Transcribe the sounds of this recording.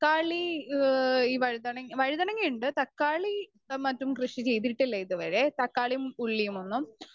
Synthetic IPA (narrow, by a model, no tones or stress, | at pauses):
kːaːɭi | iːʋɐɻid̪ɐɳɐŋʋɐɻiðɐɳɐŋːɡiuɳɖɨt̪ɐkːaːɭi | mɐtːumkrɨʂit͡ɕe̞jt̪̬iʈːilːɐiðɨʋɐɾe̞t̪ɐkːaːɭijmuɭːijumonːum